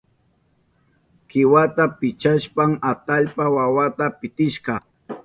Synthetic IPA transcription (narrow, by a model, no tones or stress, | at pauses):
kɪwat̪apɪt͡ʃaʃpamat̪aʎpawawat̪apɪt̪ɪʃɢɑ